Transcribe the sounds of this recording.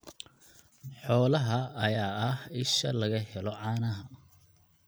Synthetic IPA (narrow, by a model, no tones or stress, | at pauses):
ħɔːlɐɦɐɐjaːɐhɪʃɐlɐɣɐhɛlɔʕɑːnɐɦɐ